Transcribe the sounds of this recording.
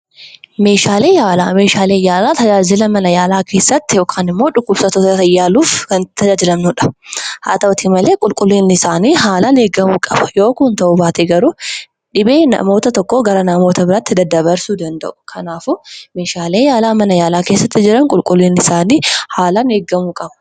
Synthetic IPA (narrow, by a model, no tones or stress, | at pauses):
me̞ːʃaːle̞ːjaːlaːme̞ːʃaːleːjaːlaːt̪ɐd͡ʒaːd͡ʒɪlɐmɐnɐjaːlaːkʰe̞ːsːɐt̪ːɪjo̞ːkʰaːnɪmːo̞ːᶑʊkːʊbsɐt̪ɔt̪ɐjːaːluːfɐnt̪ʰɐaːd͡ʒɪlɐmnʊᶑɐ̥ha̰ːt̪ɐɔt̪ʰimɐle̞ːkʼʊlkʼʊlːiːnːɪsaːniːɦaːlaneːɡːɐmuːkʼɐb̥ɐ̥jo̞ːkʊnt̪ɐʔuːbaːt̪eɡɐɾʊ | ᶑɪbe̞ːnɐ̰mo̞ːt̪ɐt̪ɔkːoːɡɐɾɐnɐmoːt̪ɐbɪɾaːt̪ːɪd̪ɐd̪ːɐβɐɾsuːd̪ɐnd̪ɐ̰ʔʊ̥kʰɐnaːfʊme̞ːʃaːleːjaːlaːmɐnɐjaːlaːke̞ːsːɐt̪ːɪd͡ʒɪɾɐŋkʼʊlkʼʊlːiːnːɪsaːniːhaːlɐneːɡːɐmuːkʼɐb̥ɐ